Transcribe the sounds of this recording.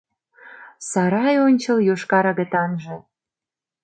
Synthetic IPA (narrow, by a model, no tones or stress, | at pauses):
sɑɾɑjonʲt͡ɕɤ̆ljoʃkɑɾɑɣə̆t̪ɑnʒĕ